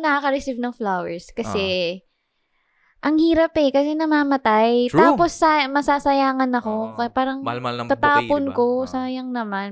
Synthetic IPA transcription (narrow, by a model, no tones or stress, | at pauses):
nɐakɐɾɛsivnɐŋflawɛɹskɐsɛ | ʔɐŋhiːɾɐpɛkɐsɛnɐmaːmɐt̪ajt̪aːpo̞sːamɐsaːsɐjaːŋɐnɐko̞kɐpaːɾɐŋɐt̪aːponko̞saːjɐŋnɐman